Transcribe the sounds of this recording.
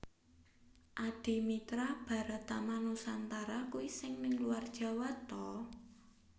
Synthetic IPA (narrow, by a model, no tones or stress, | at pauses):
ʔad̥i̤mit̪ɾab̥a̤ɾat̪amanusant̪aɾakuwisɪŋnɪŋluard̥ʒ̥a̤wat̪ɔ